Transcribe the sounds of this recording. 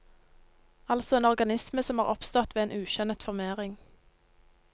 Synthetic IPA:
ɑlsɔeːnɔʁɡɑnɪsməsɔmhɑːʁʔɔpst̪ɔt̪ʋeːeːnʔʉːʃœnt̪fɔʁmeːʁɪŋ

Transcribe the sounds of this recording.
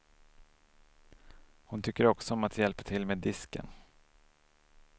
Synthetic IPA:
hʊnt̪ʰʏkːəɾɔksɔɔmat̪ʰjɛlpə̥t̪ʰɪlmeːd̪ɪskə̰n

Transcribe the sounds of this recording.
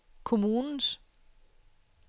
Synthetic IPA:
kʰo̝muːnn̩s

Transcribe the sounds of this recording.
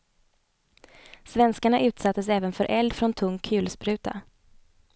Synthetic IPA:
svɛnskaɳaʔʉ̟ːt̪sat̪ʰːəs̬ɛːvənfœɾʔɛld̪fɾɔnt̪ʰɵŋʰʉ̟ːlspɾʉ̟ːt̪ʰa̰

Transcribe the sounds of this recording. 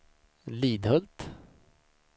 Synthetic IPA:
liːd̪hɵlt̪

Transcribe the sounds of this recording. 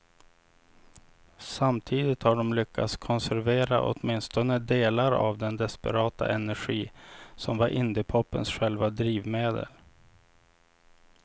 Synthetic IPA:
samt̪ʰiːd̪ɪt̪haɖɔmlʏkʰːat̪skʰɔnsæɾveːɾaʔɔ̰t̪mɪnst̪ɔnəd̪eːlaɾa̰vd̪ɛnd̪ɛspɛɾɑːt̪ʰa̰ʔɛnæɾɧiːsɔmvaɾʔɪnd̪ɪpʰɔpːənsɧɛlvad̪ɾiːvmeːd̪ə̰l

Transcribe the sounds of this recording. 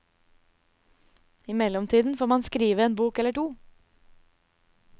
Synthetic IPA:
ɪmɛlɔmt̪ʰiːd̪n̩foːɾmɑnskɾiːʋəeːnbuːkɛləʈuː

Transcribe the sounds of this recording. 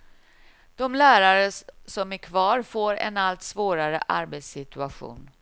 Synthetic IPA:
d̪̥ɔmlæːɾaɾəsɔmæɾkʰvɑːɾfoːɾɛ̰nalt̪svoːɾaɾə̰ʔa̰ɾbet̪sɪt̪ɵaɧṵːn

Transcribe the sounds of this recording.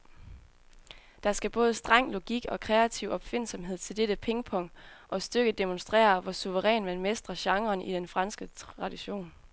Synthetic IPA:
d̥ɑ̈sɡ̥æb̥ɔ̽ːð̞ˠəsd̥ʁɑ̈ŋ̰lo̝ɡ̥iɡ̥ɒ̽kʰʁɛæt͡sʰiʊɒ̽b̥fe̝n̰sɒ̽mɦe̝ð̰ˠt͡sʰe̝ld̥eɾəpʰeŋəpʰɒ̽ŋ̰d̥ʔɒ̽sd̥øɡ̥əd̥e̝monsd̥ʁɛ̰ːɐʋɒsuʋəʁɛ̰ːnmænmesd̥ʁɐɕɑ̈ŋʁɐːnʔid̥enfʁɑ̈nsɡ̥əʁɑ̈d̥iɕo̝̰ːn

